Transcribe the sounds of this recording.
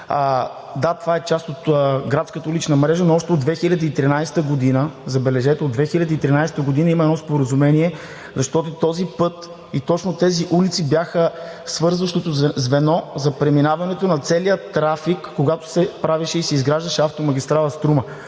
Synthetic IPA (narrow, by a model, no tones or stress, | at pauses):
d̪at̪ovaɛt͡ʃast̪ot̪ɡɾat̪skət̪əulit͡ʃnəmɾɛʒənoɔʃt̪ɛod̪vɛxilʲəd̪əit̪ɾinajst̪əɡod̪inəzɐbɛlɛʒɛt̪ɛod̪vɛxilʲɐd̪əit̪ɾinajsɛ̥t̪əɡod̪inəimɐɛnɔspoɾəzumɛniɛ | zɐʃt̪ɔt̪ot̪ɔzipɤt̪ | it̪ɔt͡ʃnot̪ɛziʔulit̪sibjaxə | svɤɾzvɐʃt̪ot̪ozvɛnɔzɐpɾɛminavɐnɛt̪onɐt̪sɛlijət̪ɾafikːoɡat̪o̥sɛpɾaviʃɛisɛizɡɾaʒd̪əʃɛaft̪omɐɡʲist̪ɾalˠɐst̪ɾumə